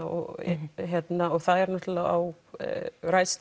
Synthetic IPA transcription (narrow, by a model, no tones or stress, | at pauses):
ɔ̰ɣçjɛt̪naɔɣθaðɛɾnɔht̪ʏlaa̰w | ɾajst̪